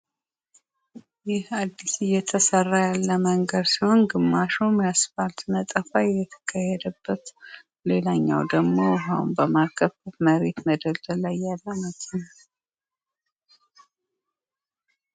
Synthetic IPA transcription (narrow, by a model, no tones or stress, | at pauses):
jɪhad̪ːisɨjːɛt̪ʰəsərːajalːəməŋɡəd̪siho̞nɡɨmːaʃomjasfalt̪mət̪ʼəfajjɛt̪ʰə̥kʰajːɛd̪əbːət̪ | le̞laɲːa̰wd̪əɡmo̞ɦaw̰nbəmakʰəfət̪məɾe̞t̪məd̪əlt̪əlajːalːəmət̪ʰɨna